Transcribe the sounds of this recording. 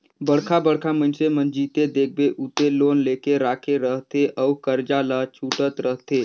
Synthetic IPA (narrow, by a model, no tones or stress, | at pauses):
bəɽkʰabəɽkʰamənsemənd͡ʒiːt̪ed̪eːk̚ʰbeʔut̪elonlekeɾaːkʰeɾəɦt̪eʔəukəɾd͡ʒalat͡ʃʰuːʈət̪ɾəɦt̪e